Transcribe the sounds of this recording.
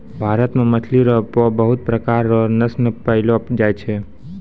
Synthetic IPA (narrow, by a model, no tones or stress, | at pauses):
bʱaɾət̪mẽmət̪ʰliɾɔpobəɦut̪̚pɾəkaɾːɔnəsnəpəɦilopd͡ʒajt͡ʃʰe